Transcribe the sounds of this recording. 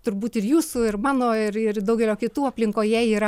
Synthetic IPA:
t̪ʊɾbuːt̪ɪrjuːsʊɪrmɑːnoːɪrɪrd̪ɐʊɡʲɛlʲoːkʲɪt̪uːɐpʲlʲɪŋkoːjɛiːɾɐ

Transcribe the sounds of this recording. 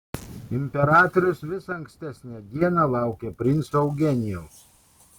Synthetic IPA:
ɪmʲpʲɛɾɑːt̪ɔɾʲʊsʋʲɪsɐɐŋksʲt̪ʲæsʲnʲæd̪ʲiɛnɑlˠɑˑʊkʲepʲɾʲɪnt̪sɐʊɡʲɛnʲɪjɛʊs

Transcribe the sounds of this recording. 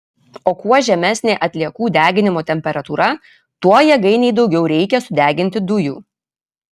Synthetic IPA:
oːkuɔʒʲɛmʲæsʲnʲeːʔɐt̪ʲlʲiɛkuːd̪ʲæːɡʲɪnʲɪmoːt̪ʲɛmʲpʲɛɾɐt̪uːɾɐ | t̪uɔjɛɡɐɪnʲɛɪd̪ɒʊɡʲɛʊɾʲɛɪkʲɛsʊd̪ʲæːɡʲɪnʲt̪ʲɪd̪ʊjuː

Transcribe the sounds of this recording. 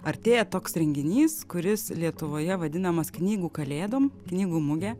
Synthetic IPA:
ɐɾʲt̪ʲeːjɛt̪oːksɾʲɛŋʲɡʲɪnʲiːskʊɾʲɪslʲiɛt̪ʊʋoːjɛʋɐd̪ʲɪnɐmɐsknʲiːɡuːkɐlʲeːd̪oːmknʲiːɡuːmʊɡʲɛː

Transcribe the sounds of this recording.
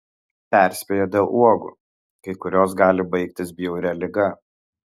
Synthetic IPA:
pʲæˑɾʲsʲpʲeːjoːd̪ʲelˠʔuɔɡʊ̰ | kɐɪkʊɾʲoːsɡɑːlʲɪbɐɪk̚t̪ʲɪsbʲɪjɛʊɾʲɛlʲɪɡɐ

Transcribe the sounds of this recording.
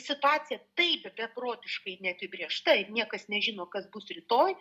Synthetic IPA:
sʲɪt̪ʊɑːt͡s̪ʲɪjɛt̪ɐɪpʲɛbʲɛproːt̪ʲɪʃkɐɪnʲɛɐpʲɪbʲɾʲiɛʃt̪ɐɪnʲiɛkɐsnʲɛʒʲɪnoːkɐsbʊsrʲɪt̪oːj

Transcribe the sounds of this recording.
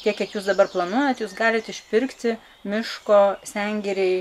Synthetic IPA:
tʲiɛkʲiɛkjuːsd̪ɐbɐrplˠɐnuɔjot̪juːsɡɑːlʲɪt̪ɪʃʲpʲɪɾkt̪ʲɪ | mʲɪʃkoːsʲæŋʲɡʲɛɾʲɛɪ

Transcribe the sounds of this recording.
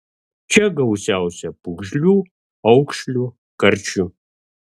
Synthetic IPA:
t͡ʃʰɐɡɐwsaːwsɐpɨɣʷʒlu | ɐwkʷʂɬu | kɐrt͡ʃʰu

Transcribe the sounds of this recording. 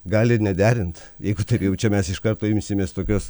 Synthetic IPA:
ɡɑːlʲɪnʲɛd̪ʲæːɾʲɪnt̪jɛɪɡʊt̪ɐɪpjɛʊt͡ʃʲɛmʲɛsɪʃkɐrt̪oːɪmʲsʲɪmʲeːst̪oːkʲoːs

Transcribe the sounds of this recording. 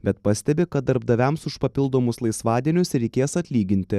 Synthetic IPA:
bʲɛt̪pɐsʲt̪ʲɛbʲɪkɐt̪̚d̪ɐɾbd̪ɐʋʲɛmsʊʃpɐpʲɪlˠd̪oːmʊslˠɐɪsʋɑːd̪ʲiɛnʲʊsɾʲɛɪkʲeːsɐt̪ʲlʲiːɡʲɪnʲt̪ʲɪ

